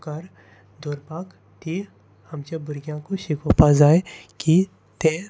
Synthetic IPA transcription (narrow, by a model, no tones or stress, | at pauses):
kaɾ | d̪ʱoːɾpaːk | ʈ̪i | hɐmt͡ʃebʊɾɡjãkoʃikopazaːjki | t̪e